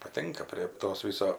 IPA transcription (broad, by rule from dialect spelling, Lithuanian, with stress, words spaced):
pɐˈtʲɪŋkɐ pʲrʲiɛ ˈtoːs ˈʋʲɪsoː